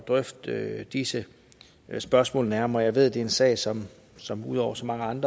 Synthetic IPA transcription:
d̥ʁœfd̥d̥isə | sb̥ɶɐsmɔ̰̽ːlnæɐmɐːjɑ̈ɪʋe̝ð̞̰ˠd̥e̝ensɛ̰ɪsɒ̽m | sɒ̽muð̞̰ˠɒʊɐsɒ̽mɑ̈ŋəɑ̈nd̥ʁ

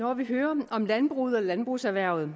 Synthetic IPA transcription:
nɒʋiɦøːɐɒ̽mlænb̥ʁṵð̞̩ˠɒlænb̥ʁusæʋæɐ̰ð̞̩ˠ

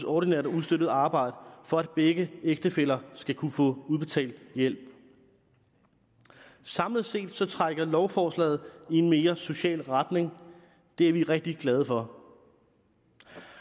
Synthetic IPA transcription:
sɒːɾ̥inɛ̰ɐ̰dɐuðˠsd̥øɾ̥ð̩ˠɑ̈ːb̥ɑ̈ɪ̰ɾ̥əfɒ̽æd̥̚b̥eɡ̥əeɡ̥̚d̥əfel̰ɐsɡ̥ækʰufɔ̰̽ːuðˠb̥e̝t͡sʰɛ̰ːld̥jel̰b̥ | sɑ̈mləð̩ˠse̝̰ːd̥sɒ̽t͡sʰʁɑɡ̥ɐlɒʊfɒːslɛ̰ːð̩ˠie̝nme̝ːɐso̝ɕɛ̰ːlʁad̥ne̝ŋ | d̥e̝æɐʋiʁɛɡ̥̚d̥iɡ̥lɛð̞ˠəfɒ̽

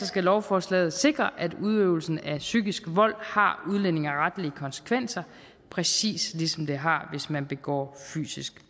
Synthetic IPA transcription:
ɒsɡ̥ælɒʊfɒːslɛ̰ːð̞̩ˠse̝ɡ̥ʁɐʔæduð̞ˠøʊl̩sn̩æsyɡ̥isɡ̥əʋɒ̽l̰hɑ̈uðˠlen̰e̝ŋɐʁad̥liəkʰɒ̽nse̥kʰʋen̰sɐ | pʰʁɛsḭːslisɒ̽md̥e̝ɦɑ̈ʋe̝smænb̥e̝ɡ̥ɒ̰ːfy̰ːsisɡ̥

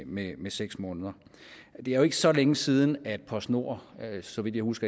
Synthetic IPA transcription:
memeseɡ̥smɔ̽ːnð̞ˠɐ | d̥e̝æɐjo̝e̝ɡ̥əsɒ̽leŋəsiːð̞ˠn̩æd̥̚pʰɒ̽sno̝ɐ̰sɒ̽ʋid̥jɑ̈ɪhusɡ̥ɐ

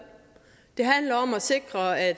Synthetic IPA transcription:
d̥e̝ɦænlɐɒ̽mɒse̝ɡ̥ʁɐæ̥

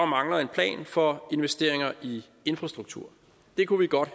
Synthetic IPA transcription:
ɒmɑ̈ŋlɐð̩ˠe̝npʰlɛ̰ːnfɒ̽e̝nʋesd̥e̝ɐ̰eŋɐʔi | e̝nfʁɑ̈sd̥ʁuɡ̥̚t͡sʰṵɐ̰ | d̥e̝kʰuʋiɡ̥ɒ̽d̥

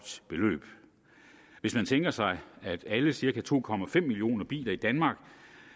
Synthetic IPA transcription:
d̥b̥e̝lø̰ːb̥ | ʋe̝smænt͡sʰeŋɡ̥ɐsɑ̈ɪæd̥æləsiɐkʰæt͡sʰo̝̰ːkʰɒ̽mæfem̰ːilio̝̰ːnɐb̥ḭːlɐid̥ænmɑ̈ːɡ̥

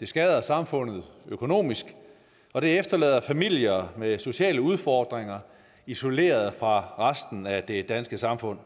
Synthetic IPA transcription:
d̥e̝sɡ̥ɛð̞ˠɐsɑ̈mfɔ̽n̰ð̞̩ˠøkʰo̝no̝̰ːmisɡ̥ | ɒ̽ɾ̥e̝efd̥ɐlɛ̰ːðˠɐfæmil̰jɐmeso̝ɕɛ̰ːləuð̞ˠfɒːd̥ʁeŋɐ | iso̝le̝̰ːɐð̞̩ˠfʁɑ̈ʁasd̥n̩æd̥e̝d̥ænsɡ̥əsɑ̈mfɔ̽n̰

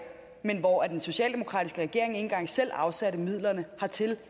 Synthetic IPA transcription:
menʋɒæd̥enso̝ɕɛ̰ːld̥e̝mo̝kʰʁɑ̈ːd̥isɡ̥əʁɛɡ̥e̝ɐ̰eŋe̝n̩ɡ̥ɑ̈ŋ̰sel̰ɑ̈ʊsæɾəmið̞̰ˠlɐnəhɑ̈t͡sʰe̝l

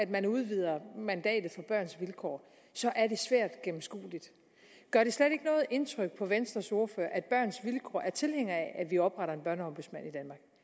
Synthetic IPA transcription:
æd̥mænuð̞ˠʋið̞̰ˠɐmænd̥ɛ̰ːd̥ð̩ˠfɒ̽b̥ɶɐ̰nsʋilkʰɒ̰ː | sɒ̽ʔæɐɾe̝sʋæɐ̰d̥ɡ̥em̩sɡ̥ṵːlid̥ | ɡ̥ɶɐɾ̥e̝sleɾe̝ɡ̥ənɔ̽ːð̞̩ˠʔe̝nt͡sʰʁœɡ̥̚pʰɒ̽ʋensd̥ʁɐso̝ɐfø̰ɐʔæd̥̚b̥ɶɐ̰nsʋilkʰɒ̰ːʔæɐt͡sʰe̝lheŋ̰ɐæʔæʋiɒ̽b̥ʁɑ̈ɾɐe̝nb̥ɶɐnəɒ̽mb̥uðˠsmænid̥ænmɑ̈ːɡ̥

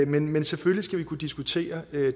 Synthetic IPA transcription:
menmensefølisɡ̥æʋikʰud̥isɡ̥ut͡sʰe̝̰ːɐø

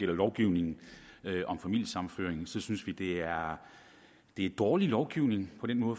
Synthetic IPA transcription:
el̰ɐlɒʊɡ̥iʊ̰ne̝ŋn̩øʔɒ̽mfæmil̰jəsɑ̈mn̩fø̰ːɐeŋsɒ̽synsʋid̥e̝æɐ | d̥e̝d̥ɒːlilɒʊɡ̥iʊ̰ne̝ŋpʰɒ̽d̥enmɔ̽ːð̩

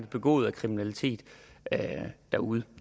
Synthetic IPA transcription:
b̥e̝ɡ̥ɔ̰ːð̩ˠækʰʁiminælit͡sʰe̝̰ːd̥ | d̥æuðˠə

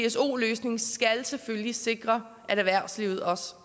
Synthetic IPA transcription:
eeso̝̰ːløːsne̝ŋsɡ̥ælseføllise̝ɡ̥ʁɐ | ʔæɾæʋæɐ̰̥sliʊð̞̩ˠɒ̽s

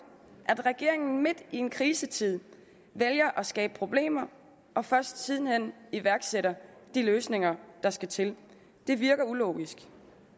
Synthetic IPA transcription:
ʔæd̥ʁɛɡ̥e̝ɐ̰e̝ŋn̩me̝d̥ie̝nkʰʁiːsət͡sʰið̞̰ˠ | ʋeljɐʔɒ̽sɡ̥ɛːb̥ə̥pʰʁo̝b̥le̝̰ːmɐ | ʔɒ̽fɶɐsd̥siːð̞ˠn̩hen̰iʋæɐɡ̥seɾɐd̥iløːsne̝ŋɐd̥ɑ̈sɡ̥æt͡sʰe̝l | d̥e̝ʋiɐɡ̥ɐulɔ̰ːɡ̥isɡ̥

